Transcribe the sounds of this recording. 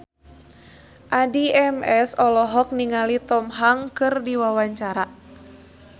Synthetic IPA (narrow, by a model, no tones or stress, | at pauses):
ʔadiɛmɛsɔlɔɦɔk̚niŋalit̪ɔmɦaŋkɨrdiwawaɲt͡ʃaɾa